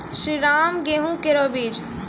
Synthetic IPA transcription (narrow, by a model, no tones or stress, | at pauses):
ʃɾiɾaːmɡeɦũkeɾoːbiːd͡ʒ